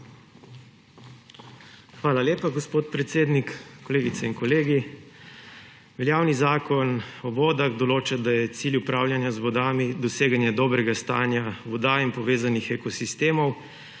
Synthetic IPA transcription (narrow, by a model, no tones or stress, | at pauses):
xʋaːlaleːpaɡospoːt̪pɾɛt̪seːd̪nikkɔleːɡit̪sɛinkɔleːɡi | ʋɛljaːwnizaːkɔnɔbɔːd̪aɣd̪ɔloːt͡ʃad̪ajɛt̪silʲjupɾaːwljanjazʋɔd̪aːmid̪ɔseːɡanjɛd̪ɔːbɾɛɡast̪a̰ːnjaʋɔd̪ainpɔʋeːzanixɛkɔsist̪eːmɔw